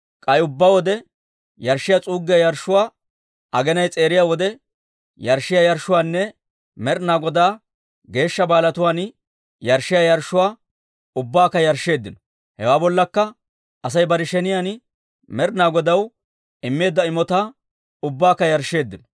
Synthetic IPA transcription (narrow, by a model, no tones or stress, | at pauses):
kʼɐjʊbːawɔd̪ɛ | jɐɾʃɪjat͡sʼuːɡːɪjajɐɾʃːʊwaː | ʔɐɡɛnɐjt͡sʼe̞ːɾɪjaːwɔd̪ɛ | jɐɾʃːɪjajɐɾʃːʊwaːnːɛ | mɛɾnaːɡɔd̪aː | ɡe̞ːʃːɐbaːlɐt̪ʊwaːn | jɐɾʃːɪjajɐɾʃːʊwaː | ʊbːaːkːɐjɐɾʃːe̞ːd̪ːɪnɔ | hɛwaːbɔlːɐkːɐ | ʔɐs̬ɐjbɐɾɪʃɛnɪjan | mɛɾnaːɡɔd̪ɐw | ɪmːe̞ːd̪ːɐɪmɔt̪aː | ʊbːaːkːɐjɐɾʃːe̞ːd̪ːɪnɔ̥